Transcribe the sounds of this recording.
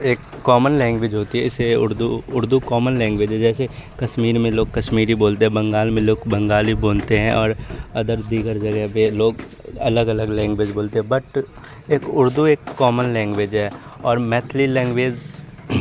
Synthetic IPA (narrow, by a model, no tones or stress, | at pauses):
eːkːɔːmənlɛ̃ːŋɡʋeːd͡ʒɦoːt̪iɦɛɪseʊ̰ɾd̪uʊɾd̪ukɔːmənlɛ̃ːŋɡʋeːd͡ʒɦɛd͡ʒɛːsekɐʃmiːɾmẽloːɡkɐʃmiːɾiboːlt̪eɦɛ̃bɐ̃ŋɡaːlmẽloːɡbɐ̃ŋɡaːliboːlt̪eɦɛ̃ʔɔːɾɐd̪əɾd̪iːɡəɾd͡ʒɐɡapeloːɡ | ɐləɡɐləɡlɛ̃ːŋɡʋeːd͡ʒboːlt̪eɦɛ̃bɐʈ | eːkʊɾd̪ueːkːɔːmənlɛ̃ːŋɡʋeːd͡ʒɦɛːɔːɾmɛːt̪ʰlilɛ̃ːŋɡʋeːd͡ʒ